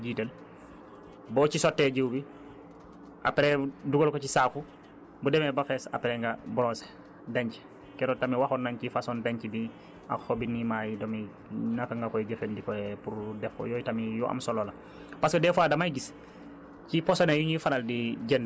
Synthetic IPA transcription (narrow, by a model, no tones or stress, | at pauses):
ɟiːtəl | bɔːcisotːeɟewbi | ʔa̰peɾeduɡolkocisafu | budemebafɛsa̰peɾɛŋɡabɔɾɔːse̥ | daɲci̥ | kɛɾotamiwaxonːaɲcifasɔndaɲcibi | a̰kxobinimajidomi | nakaŋɡakɔjɟefendikɔɛpuɾdɛfo̰jɔːjitamijɔʔa̰msolola | paskedɛfwaːdamajɡis | ciposonejuɲifanaldiɟend